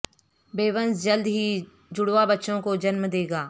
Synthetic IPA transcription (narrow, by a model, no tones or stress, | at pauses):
beːʋə̃nzd͡ʒəld̪ɦi | d͡ʒʊɽʋabɐtːʃõkod͡ʒɐnmd̪eːɡaː